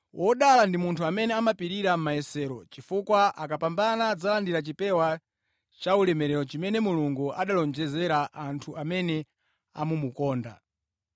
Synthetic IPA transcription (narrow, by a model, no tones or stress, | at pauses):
wʔɔɗalandimuntʰuamɛnɛamapiɾiɾam̩maɛsɛːɾɔt͡ʃifukwaʔakapambanad͡zalandiɾat͡ʃipɛwa | t͡ʃaulɛmɛɾɛɾɔt͡ʃimɛnɛmuluŋɡuʔaɗalɔnd͡ʒɛzɛɾaʔantʰuʔamɛnɛ | a̰mumukɔːnda̰